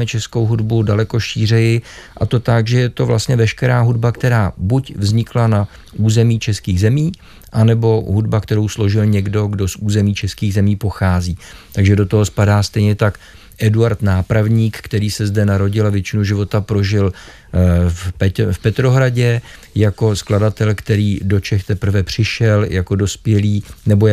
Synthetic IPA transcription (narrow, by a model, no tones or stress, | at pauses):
mɛt͡ʃɛsko̞wɦudbudalɛko̞ʃiːr̝ɛjɪʔat̪o̞t̪aɡʒɛjɛt̪o̞vla̰st̪ɲɛvɛʃkɛɾaːɦudbakt̪ɛɾaːbucvzɲɪklana | ʔuːzɛmiːt͡ʃɛskiːɣzɛmiː | ʔanɛbo̞ɦudbakt̪ɛɾo̞wslo̞ʒɪlɲɛɡdo̞ɡdo̞sʔuːzɛmiːt͡ʃɛskiːɣzɛmiːpo̞xaːziːt̪aɡʒɛdo̞t̪oɦo̞spadaːst̪ɛjɲɛt̪ak | ʔɛduaɾt̪naːpɾavɲiːkkt̪ɛɾiːsɛzdɛnaɾo̞ɟɪlavjɛt͡ʃɪnuʒɪvo̞t̪apɾo̞ʒɪl | fpɛfpɛt̪ɾo̞ɦɾaɟɛ | jako̞skladat̪ɛlkt̪ɛɾiːdo̞t͡ʃɛxt̪ɛpɾ̩vɛpr̝̥ɪʃɛljʔako̞do̞spjɛliːnɛbo